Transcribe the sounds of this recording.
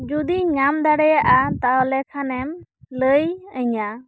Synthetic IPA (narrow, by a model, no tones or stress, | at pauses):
d͡ʒud̪iɲamd̪aɽɛjaʔat̪aɔlɛkʰanɛmləjəɲa